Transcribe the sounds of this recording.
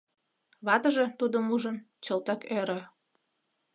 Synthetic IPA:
βɑt̪əʒet̪ud̪əmuʒə̆n | t͡ɕɤlt̪əkøɾø̆

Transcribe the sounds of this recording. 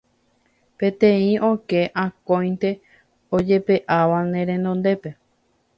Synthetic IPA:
pẽ̞t̪ẽĩõke̞ʔãkõj̃nt̪e̞ | od͡ʒe̞pe̞ʔaʋanẽ̞ɾẽnd̪õnd̪e̞pe

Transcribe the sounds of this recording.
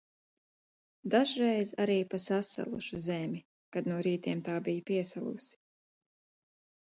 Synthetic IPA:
d̪aʒɾɛjzaɾiːpasasa̰lˠṵʃuzɛmʲi | kad̪nuɔɾiːt̪iɛmt̪aːbijapiɛsalˠṵsi̥

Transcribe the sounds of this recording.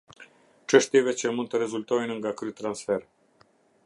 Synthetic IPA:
t͡ʃəʃt̪evet͡ʃemunt̪əɾezult̪ojnɨŋɡakɾujt̪ɾansfer

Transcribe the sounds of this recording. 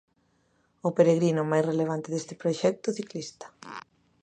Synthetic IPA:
ʊpeɾeɣɾinʊmajsreleβ̞ant̪eðest̪ɪ̥pɾoʃɛk̚t̪ʊθiklist̪ḁ

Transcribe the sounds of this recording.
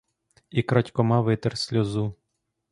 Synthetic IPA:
ikɾɑtʲkɔmɑʋɪt̪ɛrsʲlʲɔzu

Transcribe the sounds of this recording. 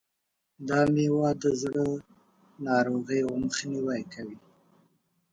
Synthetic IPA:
d̪ɑmewɑd̪əzɽə | nɑɾoɣəjwməxniwajkawi

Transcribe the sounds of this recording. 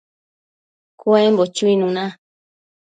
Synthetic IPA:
koɛmbɔt͡ʃuinũnã

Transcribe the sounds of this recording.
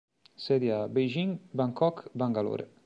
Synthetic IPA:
sɛd̪iabejʒiŋbaŋkɔkbaŋɡalo̰ːɾḛ

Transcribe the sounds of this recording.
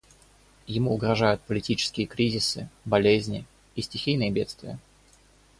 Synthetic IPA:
jɪmuʊɡɾɐʐajʊt̪̚pəlʲɪtʲit͡ɕɪ̥skʲɪjəkɾʲizʲɪsɨbɐlʲezʲnʲɪ | isʲtʲɪxʲijnɨjəbʲe̞t̪st̪vʲɪjə

